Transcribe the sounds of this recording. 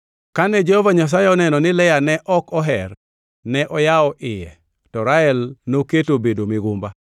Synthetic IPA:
kanɛd͡ʒɛhɔvaɲas̬ajɛɔnɛnɔnɪlɛjanɛʔɔkɔɦɛr | nɛʔɔjaɔʔɪjɛ̰ | tɔɾaɛlnoketobedomɪɡʊmba

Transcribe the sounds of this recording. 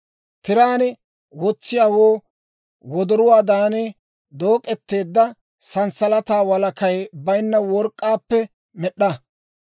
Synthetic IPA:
t̪ɪɾaːnɪ | wɔt͡sːɪjaːwoː | wɔd̪ɔɾʊwaːd̪aːnɛ | d̪o̞ːkʼːɛt̪ːe̞ːd̪ːɐ | sɐnsɐlɐt̪aːwɐlɐkɐjbɐjnːɐwɔɾkʼːaːpːɛ | mɛɗːɐ

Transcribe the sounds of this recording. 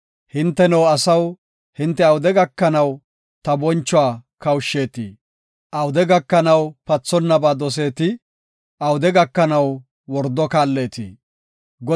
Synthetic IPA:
hɪnt̪ːɛnɛwɐsɐw | hɪnt̪ːɛɐwʊd̪ɛɡɐkːɐnɐw | t̪ɐbɔnt͡ʃːʊaːkɐwʃːe̞ːt̪ḭː | ʔɐwd̪ɛɡɐkːɐnɐwpɐt͡sːɔnːɐbaːd̪ɔs̬e̞ːt̪ɪ | ʔɐwʊd̪ɛɡɐkːɐnɐw | wɔɾd̪ɔkaːlːeːt̪ḭː | ɡɔ

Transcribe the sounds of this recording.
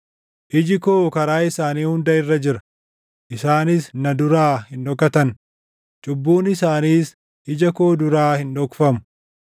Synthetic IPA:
ʔɪd͡ʒɪkoːkɐɾaːɪsaːniːhʊnd̪ɐɪrːɐd͡ʒɪɾɐ̥ | ʔɪsaːnɪsnɐd̪ʊɾaːhɪnᶑ̪ɔkːɐt̪ɐn | t͡ʃʼʊbːuːnɪsaːniːs | ʔɪd͡ʒɐkoːd̪ʊɾaːhɪnɔkfɐmʊ

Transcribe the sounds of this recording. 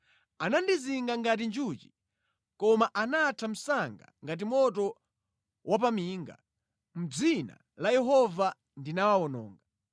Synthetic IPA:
anandiziŋɡaŋɡat̬ind͡ʒut͡ʃi̥ | kɔmaʔanatʰam̩saŋɡa̰ŋɡat̬imɔt̬ɔ | wapamiːŋɡa̰ | m̩d͡zina̰ | lajɛɦɔva | ndinawawɔnɔ̰ːŋɡa

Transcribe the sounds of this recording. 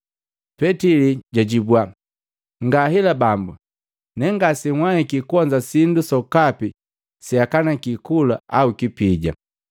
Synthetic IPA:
pɛtiliɟaɟibwa | ŋɡaɦilabambu | nɛŋɡasiŋwahikikuɔɲd͡ʒasindusɔkapi | siakanakikulaaukipiɟa̰

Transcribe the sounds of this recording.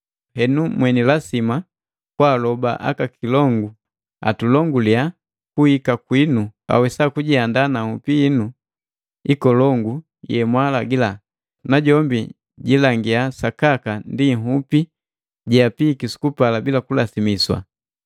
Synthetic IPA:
hɛnumwɛnilasima | kwaːlɔba̰ʔa̰kakʰilɔŋɡu | a̰tulɔŋɡulia | kuhikakwinua̰wɛsakuɟiandanahupiːnu | ikɔlɔŋɡu | jɛmwalaɡila | naɟɔmbi | ɟilaŋɡiasakakandiŋɦupi | ɟiapikisu̥kupalabilakulasimiswa̰

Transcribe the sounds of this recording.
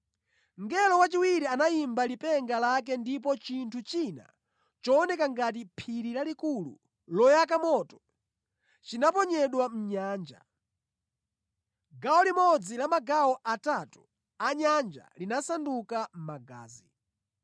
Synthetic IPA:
ŋɡɛlɔwat͡ʃiwiɾianajimbalipɛŋɡalak̬ɛndip̬ɔt͡ʃintʰut͡ʃina̰ | t͡ʃɔːnɛkaŋɡat̬ipʰiɾiɾalikulṵ | lɔjakamɔːtɔ̥ | t͡ʃinapɔɲɛɗwam̩ɲaːnd͡ʒa̰ | ɡaɔlimɔd͡zilamaɡaɔʔatatu̥ | aɲand͡ʒa̰linasandukam̩maɡa̰ːzi

